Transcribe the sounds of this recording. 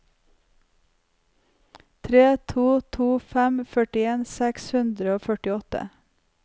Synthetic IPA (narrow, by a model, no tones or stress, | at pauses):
t̪ʰɾeːt̪ʰuːt̪ʰuːfæmfœʈɪeːnsɛkshʉnd̪ɾəoːfœʈɪɔt̪ə̰